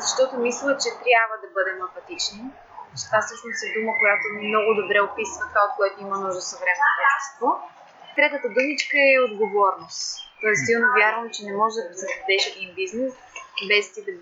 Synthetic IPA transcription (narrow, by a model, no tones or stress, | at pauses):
zɐʃt̪ɔt̪omislˠət͡ʃɛt̪ɾʲjabvəd̪ɐbɤd̪ɛmɐpɐt̪it͡ʃni | ʃt̪asɤʃnosɛd̪uməkojat̪omnɔɡʊd̪obɾɛopisvət̪kaot̪̚kojɛt̪oiməmnɔʒosɐvɾɛmɛnop̪ɛʃt̪ɛst̪vo | t̪ɾɛt̪ət̪əd̪umit͡ʃkəɛod̪ɡovɔɾnost̪t̪ɔɛst̪ːilˠnovʲjaɾvəmt͡ʃɛnɛmɔʒɛd̪ɐsɛd̪od̪ɛʃɛd̪inbiznɛs | bɛst̪id̪